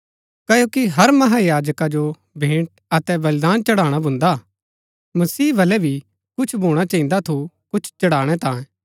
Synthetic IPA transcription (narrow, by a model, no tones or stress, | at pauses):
kɐjoːkiɦɐɾmɐɦajaːd͡ʒəkad͡ʒo | bʱẽːɳʈ | ɐt̪ɛʋɐlɪd̪aːnt͡ʃɐɽ̤aːɽ̃abʱʊ̃nd̪a | mɐsiːbʱɐlɛbʱi | kʊt͡ʃʰbʱoːɽ̃at͡ʃɐĩnd̪at̪ʰu | kʊt͡ʃʰt͡ʃɐɽaːɽ̃ɛt̪ãːẽ